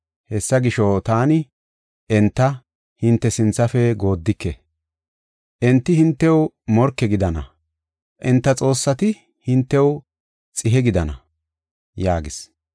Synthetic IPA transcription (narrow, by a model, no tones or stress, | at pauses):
hɛsːɐɡɪʃot̪aːnɪ | ʔɛnt̪ːɐ | hɪnt̪ːɛsɪnt͡sːɐfɛɡo̞ːd̪ːɪkːɛ | ʔɛnt̪ːɪhɪnt̪ːɛw | mɔɾkːɛɡɪd̪ɐnɐ̰ | ʔɛnt̪ːɐt͡sʼo̞ːsːɐt̪ɪ | hɪnt̪ːɛw | t͡sʼɪɦɛɡɪd̪ɐnɐ̰ | jaːɡɪs